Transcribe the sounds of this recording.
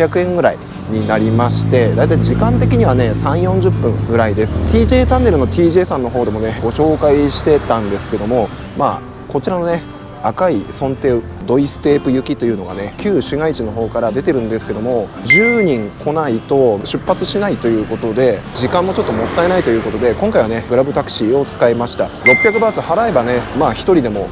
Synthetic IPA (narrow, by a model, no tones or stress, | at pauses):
akɯ̟ẽ̞ŋɡɯ̟ɾai | ɲ̟inaɾʲimaɕi̥t̪e̞d̪aijt̪̬aiʑikãnt̪̬e̞kʲiɲ̟iβane̞sãɰ̃jõ̞ɲ̟d͡ʑɨpːɯ̟̃ŋɡɯ̟ɾaid̪e̞sɨ̥t̪ʲiːʑe̞ːt̪ãnːe̞ɾɯ̟no̞t̪ʲiːʑe̞ːsãnːo̞ɦo̞ːd̪e̞mo̞ne̞ɡo̞ɕo̞ːkaiɕi̥t̪e̞t̪ãnd̪e̞sɨ̥ke̞d̪o̞mo̞ | maː | ko̞t͡ɕiɾano̞ne̞ | akaisõ̞nt̪e̞ː | d̪o̞isɨ̥t̪e̞ːpɯ̟jɯ̟kʲit̪o̞jɯ̟ːno̞ɡa̰ne̞kʲɨːɕɨŋait͡ɕino̞ɦo̞ːkaɾad̪e̞t̪e̞ɾɯ̟̃nd̪esɨ̥ke̞d̪o̞mo̞d͡ʑɨːɲ̟ĩŋkʰo̞nait̪o̞ɕɨpːat͡sɨɕinait̪o̞jɯ̟ːko̞t̪o̞d̪e̞d͡ʑikãmːot͡ɕo̞t̪ːomo̞t̪ːae̞nait̪o̞jɯ̟ːko̞t̪o̞d̪e̞kõ̞ŋkaiβane̞ɡɯ̟ɾabɯ̟t̪akɯ̟̥ɕio̞t͡sɨ̥kaemaɕi̥t̪aɾo̞pʲjakɯ̟baːt͡sɨhaɾaebane̞maːçi̥t̪o̞ɾʲid̪e̞mo̞